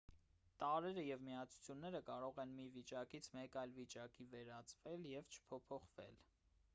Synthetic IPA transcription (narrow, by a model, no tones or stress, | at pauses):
t̪ɑɾɛɾəjɛvmiɑt͡sʰu̥t͡sʰjunːɛɾəkɑɾɔʁɛnmivit͡ʃɑkit͡sʰmɛkɑjlvit͡ʃɑkivɛɾɑt͡svɛljɛvt͡ʃʰə̥pʰɔpʰɔχvɛ̰l